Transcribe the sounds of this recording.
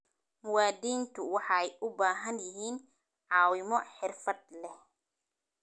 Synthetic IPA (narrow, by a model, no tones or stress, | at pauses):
mʊwaːd̪iːnt̪ʰʊwɑħɑɛjʔʊbaːɦɐnjɪɦiːn | ʕɑːwɪmɔħɪrfɐd̪̚lɛh